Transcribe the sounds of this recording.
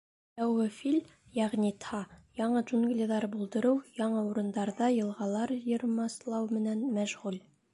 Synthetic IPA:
j̪æwʁɘfilʲ | jæʁnʲit̪ʰɑjɑɴɤʒunɡlʲiðɑɾbulˠd̪ɤ̆ɾɤwjɑɴɤuɾɤ̆nd̪ɑɾðɑjɤ̆lˠʁɑlˠɑɾjɤ̆ɾmɑslˠɑwmɘ̆nænmæʒʁʉl

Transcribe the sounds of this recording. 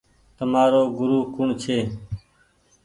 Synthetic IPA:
t̪əmaːɾoːɡʊɾuːkʊɳt͡ʃʰeː

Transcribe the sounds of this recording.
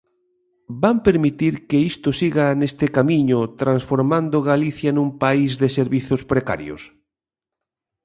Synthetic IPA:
bampeɾmit̪iɾkeist̪osiɣanest̪ɪkamiɲʊt̪ɾansfoɾmãnd̪oɣaliθjanũmpaizðeseɾβiθospɾeka̰ɾjo̰s

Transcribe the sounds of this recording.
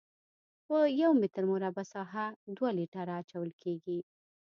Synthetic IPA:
pəjawmɪt̪əɾmoɾabasɑɦad̪waliʈaɾaːt͡ʃawəlkʰeɡi

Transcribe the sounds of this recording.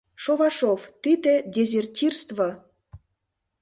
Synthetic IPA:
ʃoβɑʃovt̪id̪ĕd̪ʲezʲertʲirst̪vɑ

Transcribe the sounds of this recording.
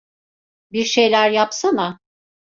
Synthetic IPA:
biɾʃejlʲæɾjapsana

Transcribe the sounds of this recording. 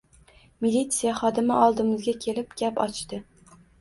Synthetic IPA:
milʲit̪sijaχɒd̪ɪmaʔɒlˠd̪ɪmɪzɡʲakʲʰe̞lɪpɡʲapɒt͡ʃt̪ɪ

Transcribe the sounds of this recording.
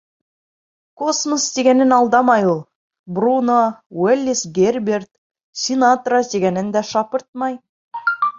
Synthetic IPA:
kʰosməsd̪eɡʲenɪnɑlˠd̪ɑmɑjolˠ | brunowelʲːisɡʲerbʲert̪ | sʲinat̪rad̪eɡʲenɪnd̪æʃɑpəɾt̪̚mɑj

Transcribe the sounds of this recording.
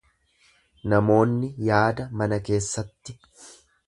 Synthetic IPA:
nɐmo̞ːnːɪjaːd̪ɐmɐnɐke̞ːsːɐt̪ːɪ

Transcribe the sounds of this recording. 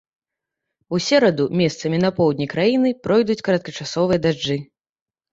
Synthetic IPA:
usʲɛɾɐd̪umʲɛst̪sɐmʲinɐpɔwd̪ʲnʲikɾajinɨpɾɔjd̪ut͡sʲkɐɾɐt̪̚kɐt͡ʂasɔvɨjɐd̪ad͡ʐɨ

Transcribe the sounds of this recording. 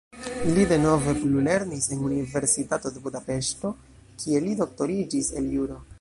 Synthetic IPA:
lide̞no̞ve̞plule̞ɾnise̞nunive̞ɾsitato̞de̞budape̞ʃto̞ | kʰie̞lido̞k̚to̞ɾid͡ʒise̞̰ljuɾo̞

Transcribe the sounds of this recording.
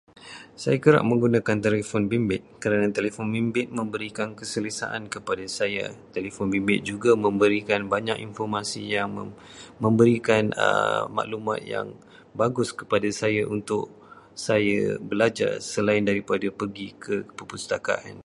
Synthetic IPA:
sajakəɾa̰ʔ̚mə̃ŋɡunãkant̪elefɔnbimbɪt̪̚kəɾanãt̪elefɔnbimbɪt̪̚mə̃mbəɾikankəsələsa̰ʔa̰nkəpadasaja̰t̪elefɔnbimbɪt̪̚d͡ʒuɡamə̃mbəɾikanbaɲakinfɔrmasḭjaŋ | mə̃mbəɾikanə̰ma̰ʔlumã̰t̪̚ja̰ŋ | baɡʊskə̥padasajaʔunt̪ʊk̚ | sajabəlad͡ʒa̰rsəlaɪndaɾipadapəɡikʰəpəpust̪aka̰ʔa̰n

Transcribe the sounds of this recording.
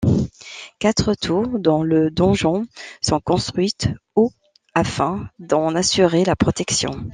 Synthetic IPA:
kat̪χət̪ʰuʁd̪ɑ̃ləd̪ɔ̃ʒɑ̃sɔ̃kɔ̃st̪χɥit̪ | o | afɛ̃d̪ɑ̃nasyʁelapχɔt̪ɛksjɔ̰̃

